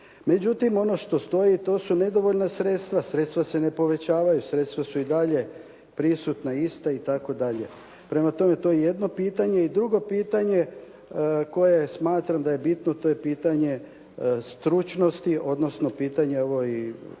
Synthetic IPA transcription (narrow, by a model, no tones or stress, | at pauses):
me̞d͡ʑut̪imo̞no̞ʃt̪o̞st̪o̞jit̪o̞ːsune̞d̪o̞ʋo̞ʎnasɾe̞t̪st̪ʋasɾe̞t̪st̪ʋase̞ne̞po̞ʋe̞t͡ɕaːʋajusɾe̞t̪st̪ʋasuid̪aʎe̞ | pɾisut̪naist̪ait̪ako̞d̪aʎe̞ | pɾe̞mat̪o̞me̞t̪o̞jejed̪no̞piːt̪aɲe̞id̪ɾuɡo̞piːt̪aɲe̞ | ko̞je̞smaːt̪ɾamd̪ajebit̪not̪o̞je̞piːt̪aɲe̞ | st̪ɾut͡ʃno̞st̪iʔo̞d̪no̞sno̞piːt̪aɲeoʋo̞i